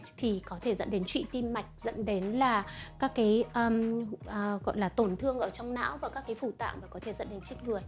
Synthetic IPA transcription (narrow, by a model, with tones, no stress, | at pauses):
t̪ʰi˨˩kɔ˨˦t̪ʰe˧˩zə̰˧˨nɗe˨˦nt͡ɕwḭ˧˨t̪i˧mːa˨˩jk̟̚zə̰˧˥nɗe˨˦nlaː˨˩kaː˦˥kːaː˨˦jʔəː˧˩mː˨˩ | ɣɔ̰˧˨jlaː˨˩t̪o˧˩nt̪ʰɨ˧əŋʔəː˧˩t͡ɕɔ˧wŋ͡mna̰ː˧˥wvaː˨˩kaː˦˥kːaː˨˦jfu˧˩t̪a̰ː˧˨mmaː˨˩kɔ˨˦t̪ʰe˧˩zə̰˧˥nɗe˨˦nt͡ɕi˦˥t̚ŋɨ˨˩əj